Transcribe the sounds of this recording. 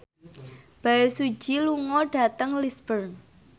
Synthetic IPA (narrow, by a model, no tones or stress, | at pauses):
b̥a̤esu̥d͡ʒ̥iluŋɔɖ̥a̤t̪əŋlisbərn